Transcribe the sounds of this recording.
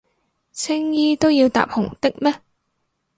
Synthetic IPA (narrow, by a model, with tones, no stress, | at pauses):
t͡sʰɪ˥ŋjiː˥t̪o˥wjiː˧wt̪a̰ː˨p̚hʊ˨˩ŋt̪ɪ˥k̚mɛː˥